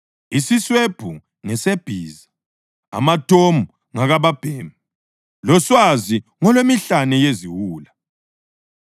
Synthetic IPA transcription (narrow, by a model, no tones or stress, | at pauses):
isisweb̥ʱu | ŋɛseb̥ʱiːza | a̰matʰʼomu | ŋaɣaβab̥ʱeːmi | lɔswaziŋɔlwemiɬanɛjeziwuːla